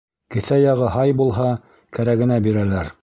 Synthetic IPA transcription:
kɘ̆θæjɑʁɤɦɑjbulˠɦɑ | kæɾæɡɘ̆næbiɾælæɾ

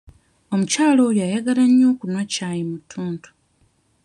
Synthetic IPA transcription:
o̞mucaːlo̞ːjaːjaɡalaɲːo̞ːkunwacaːjimutʰːuːntʰu̥

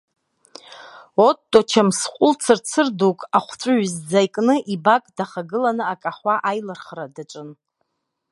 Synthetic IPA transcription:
otʼːot͡ʃʰamsqʷʼʊlt͡sʰɨrt͡sʰɨrdukʼaχʷt͡sʷʼʊɥzd͡zajkʼnɨʔibakʼdaχaɡɨlanɨakʼaχʷaʔajlɨrχradat͡ʃʷʼɨn

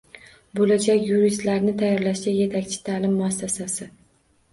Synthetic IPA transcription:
bolad͡ʒakʲjuɾist̪laɾnɪt̪ʰajːɒɾlaʃɡʲaje̞t̪ʰakʲt͡ʃʰɪ̥t̪ʰalɪmːʊasːasasɪ

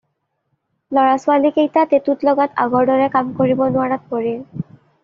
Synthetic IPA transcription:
lɔɹasʊalikejtatetutlɔɡatʰa̰ɡɔɹdɔɹɛkamkoɹibɔnʊaɹat̚poɹi

